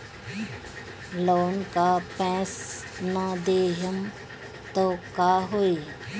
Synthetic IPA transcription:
loːnkapɛ̃ːs | nad̪eːɦəm | t̪okaːɦoːi

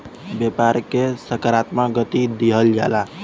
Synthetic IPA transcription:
bjəpaɾkesəkəɾat̪maɡət̪id̪iɦəld͡ʒa̰ːla

